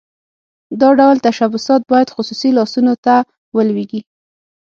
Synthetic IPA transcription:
d̪ɑɖawlt̪aʃabʊsɑt̪̚bɑjad̪xʊsusilɑsunot̪a | wəlweɡi

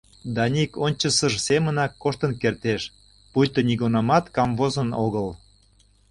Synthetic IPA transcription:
d̪ɑnʲikonʲt͡ɕəsəʒsemənɑkːoʃt̪ənkert̪eʃ | pujt̪ə̆niɣunɑmɑt̪kɑmvozənoɣəl

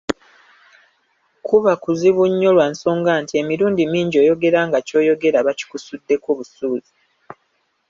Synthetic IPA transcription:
kʰuβakuziβuɲːo̞lwanso̞ːŋɡaːntie̞miɾuːndimiːɲɟo̞ːjo̞ɡe̞ɾaːŋɡaco̞ːjo̞ɡe̞ɾaβaci̥kusudːe̞koːβusuːzi

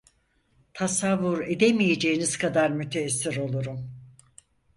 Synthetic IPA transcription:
t̪ʰasavːuɾe̞d̪e̞mijed͡ʒejinizkʰad̪aɾmyt̪ʰeːsːiɾo̞lˠuɾum

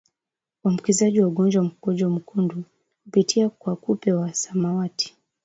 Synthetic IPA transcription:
am̩kizaʄiwauɡɔnd͡ʒwam̩kɔd͡ʒɔm̩kundu | kupitʰiakwakupɛwasamawati̥

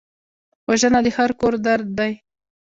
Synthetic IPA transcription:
waʒənad̪əhaɾkoɾd̪aɾd̪ːaj

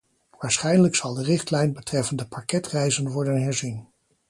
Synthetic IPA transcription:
ʋaːɹsχɛjnələksɑlˠdərɪχtlɛjnbətrɛfəndəpakɛtrɛjzənʋɔɹdənɦɛɹzin

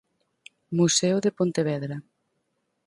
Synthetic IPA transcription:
museoðepont̪eβɛðɾa

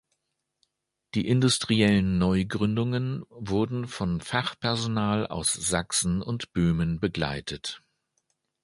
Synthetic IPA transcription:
d̥iːʔɪndʊstʁ̥iɛlənːɔʏɡʁʏndʊŋənvʊɐdn̩fɔnfaχpʰɛɐzonaːla̰ʊsz̥aksn̩ʊntb̥øːmənbəɡla̰ɪtʰət

